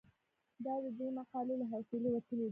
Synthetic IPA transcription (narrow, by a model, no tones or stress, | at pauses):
d̪ɑd̪əd̪emaqɑlelaɦawselewat̪əled̪i